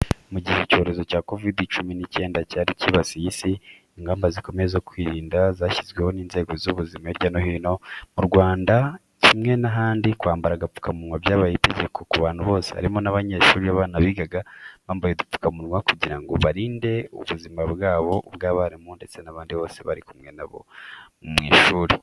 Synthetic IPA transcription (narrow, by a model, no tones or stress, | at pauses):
muɟiheco̞ːɾe̞zo̞caːko̞vidit͡ʃuminice̞ːndacaːɾiciβasijisiː | ŋɡaːmbaziko̞meezokwiːɾiːndazaːçizɡwe̞ho̞niːnze̞ːɡo̞zuβuzimaeɾɟanohiːno̞muɾɡwaːnda | cimŋe̞naɦaːndikwaːmbaɾaɡapu̥kamuɾŋwabjaːβajite̞ɟe̞kʰo̞kuβaːn̥huβo̞ːsea̰ɾimo̞naβaɲe̞ʃuːɾiaβaːnaβiːɡaɡaβaːmbajedup͡fu̥kamuɾŋwakuɟiɾaŋɡo̞̰βaɾiːnde̞ṵβuzimaβɡaːβo̞bɡaːβaɾimonde̞t͡se̞naβaːndiβo̞ːse̞βaɾikumŋe̞na̰βo̞̰ | mŋiːʃuːɾi